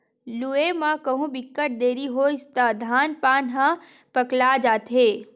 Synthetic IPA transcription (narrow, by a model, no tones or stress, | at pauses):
luemãkɐɦũbɪkːəʈ̚d̪eːɾiɦoɪst̪aːd̪ʱaːnpaːnɦã | pɐklad͡ʒaːt̪ɦeː